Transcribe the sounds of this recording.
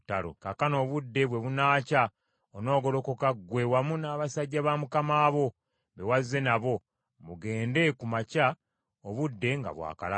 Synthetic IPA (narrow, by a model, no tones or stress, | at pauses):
talo̰kakano̞ːβudːe̞βwe̞βunaːca | ono̞ːɡo̞lo̞kokaɡwe̞wamunaːβasaɟːaβamukamaːβo̞ | βewaze̞naβo̞ | muɡe̞ːnde̞kumaca | oβudːe̞ŋɡa̰βwa̰ːka̰la